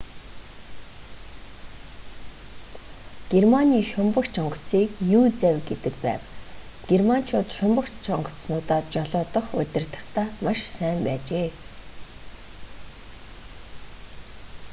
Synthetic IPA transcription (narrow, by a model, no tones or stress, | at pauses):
ɡ̥ermaniːʃʊmpə̆kt͡ɕʰɔɴɢɞ̥̆t͡siːkjuːt͡sæwʲɡet̪ɘ̆kpæ̰ːw | ɡ̥erman̥t͡ɕʰʊːt̪ʃʊmpə̆kt͡ɕʰɔɴɢɞ̆t͡snʊːt̪aːt͡ɕɔɮɔːt̪ɞ̆χʊ̰t̪ʲɪ̆r̥t̪ə̆χt̪ʰaːmaʃsæːmpæːt͡ɕeː